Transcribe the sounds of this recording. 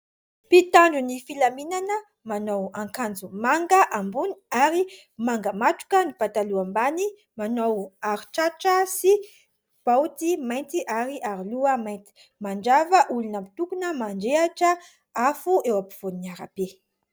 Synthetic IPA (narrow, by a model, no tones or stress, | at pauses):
pit̪aɳɖ͡ʐunifilaminanə | manowãŋkand͡zumaŋɡəʔambuniaɾi | maŋɡəmaʈ͡ʂu̥kənipat̪aluambani | manowaɾiʈ͡ʂaʈ͡ʂəsi | b̥awt̪imajnt̪iʔaɾiʔaɾiluəmajnt̪i̥ | maɳɖ͡ʐavəʔulunamit̪ukunəmaɳɖ͡ʐeaʈ͡ʂə | afuewapi̥v̥oniniaɾa̰be